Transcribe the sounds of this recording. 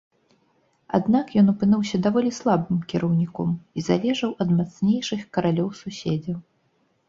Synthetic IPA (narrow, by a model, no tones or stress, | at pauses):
a̰d̪nakjɔnupɨnɨwsʲɐd̪avɔlʲislˠabɨmkʲiɾɐwnʲikɔmiza̰lʲɛʐɐwʔɐd̪mat̪snʲejʂɨxkɐɾalʲɔwsusʲed͡zʲɐ